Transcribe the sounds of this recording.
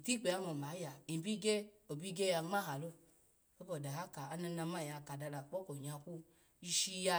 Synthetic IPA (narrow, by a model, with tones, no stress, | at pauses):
i˨ti˦k͡pe˨a˦mo˨ma˨˦ja˨i˨bi˦ɡe˦o˨bi˦ɡe˦ja˧ŋ͡ma˦ha˨lo˧ | o˦bo˨da˨ha˦ka˨a˨na˧na˧ma˦˨ja˨˧˨ka˨da˧la˨k͡po˦ko˨ɲa˧ku˧ | i˧ʃi˧ja˧